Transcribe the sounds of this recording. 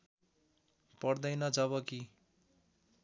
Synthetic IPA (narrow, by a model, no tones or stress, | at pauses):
pʌrd̪ʌjnʌd͡zʌβʌki